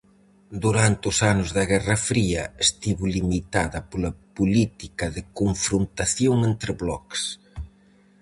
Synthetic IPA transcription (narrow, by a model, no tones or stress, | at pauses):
d̪uɾant̪ɪʊsanʊzðɐɣɛrɐfɾiɐest̪iβʊlimit̪aðɐpolɐpulit̪ikɐðɪkoɱfɾunt̪aθjoŋent̪ɾɪβlɔ̰ks